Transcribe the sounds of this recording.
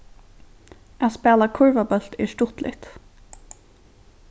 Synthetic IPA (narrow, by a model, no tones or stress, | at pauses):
aðspɛːlakʰʊɹvabœl̥t̪ɛʂt̪ʊht̪lɪ̰ht̪